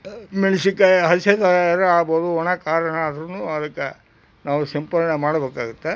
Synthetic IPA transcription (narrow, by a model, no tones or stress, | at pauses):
miɭsikːeɦɐset̪ɐɐɾɐaːboːd̪uɔɳɐkaːɾɐɳɐd̪ɾɐnuːɐd̪ɐkːe | naːʋusɐmpɐɾɳemaːɽɐbeːkaːɡut̪ːe